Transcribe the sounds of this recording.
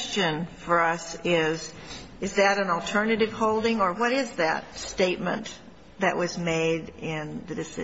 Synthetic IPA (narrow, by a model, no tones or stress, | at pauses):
st͡ʃɨ̃nfə˞ʌsɪz | ɨzðɨɾɨ̃nl̩ˠtʰɜ˞nɨɾɨv̥hoʊlˠdɪ̃ŋə˞wʌɾɪzðɨ̰t̚steɪt̚mɨ̰̃n | ðɨ̰ʔwʔʌzmeɪɾɪ̃nðɨdɨsɪ̰